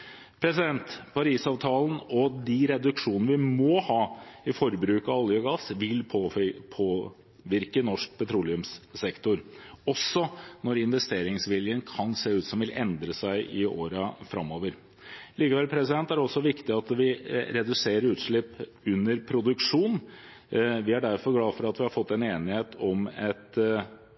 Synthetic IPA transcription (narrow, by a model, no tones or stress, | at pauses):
pʰɾɛsɪd̪ɛnt̪pʰɑɾiːsɑʋt̪ʰɑːlən̩ɔd̪ɪɾɛd̪ʉkʂuːnnəʋɪmɔhɑːɪfɔɾbɾʉːkɑɑljɔɡɑsʋɪlpʰpʰoː | ʋɪɾkənɔʂk̚pʰɛt̪ʰɾuːlɪʉmssɛkt̪ʊɾɔsːɔnɔɾɪnʋɛst̪eːɾɪŋsʋɪljənkʰɑnseːʉːt̪sɔmʋɪlɛ̰nd̪ɾəsæɪʔɪoːɾəfɾɑ̰mːoːʋəɾ | liːkəʋɛlpʰɾɛs̬ɪd̪ɛnt̪æɾɔsːɔʋɪkt̪ɪɑt̪ʋɪɾɛd̪ʉseːɾəɾʉːt̪ʂɭɪpː | ʉnːəɾpʰɾʊd̪ʉkʂuːn | ʋɪæɖæɾfɔɾɡlɑːfɔɾɑt̪ʋɪhɑɾfɔt̪ːɛneːnɪheːt̪ʰɔmɛt̪